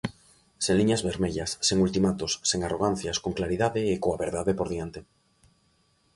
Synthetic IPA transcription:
seŋliɲazβeɾmeʎasːeŋult̪imat̪osːeŋaroɣ̞an̟θjaskoŋklaɾiðaðeːkoaβeɾðaðepoɾðiant̪e

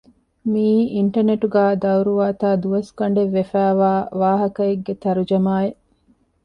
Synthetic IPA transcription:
miːiɳʈɐneʈuɡæːd̪ɐwɾuʋaːt̪aːd̪uʋɐskɐɳɖeʋːefæːʋaːʋaːɦɐkɐeɡːet̪ɐɾud͡ʒɐmaːe

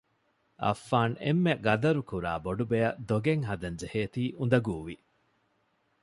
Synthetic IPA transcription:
ʔɐ̰fːaːnḛmːeɡɐd̪ɐɾukuɾa̰ːboɖubejɐd̪oɡeŋɦɐd̪ɐnd͡ʒeheːt̪iːʔund̪ɐɡuːʋi

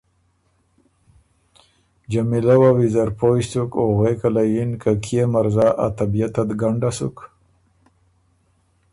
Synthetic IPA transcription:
d͡ʒamilawawizaɾpoist̪ukoɣwekalajinkakʰijemaɾzaʔa̰t̪abijat̪ad̪ɡaɳɖasuk

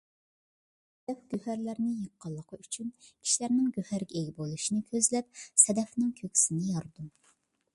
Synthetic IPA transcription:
d̪ɛp̚ɡ̥ʲøhæɾlæɾnɪjəqːɑlˠːəqʰəyt͡ʃʰynkʲʰi̥ʃlæɾnɪŋɡʲøhæɾɡʲɛeɡʲɛbolˠuʃinɪkʲʰøzlɛp̚sɛd̪ɛfnɪŋkʲʰøkʲʰsɪnɪjɑɾd̪um

